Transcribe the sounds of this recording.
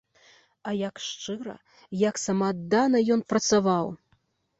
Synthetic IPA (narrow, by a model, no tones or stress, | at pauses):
ɐjɐkʂt͡ʂɨɾɐ̰ | jɐksɐmad̪ːanɐjɔnpɾɐt̪savaw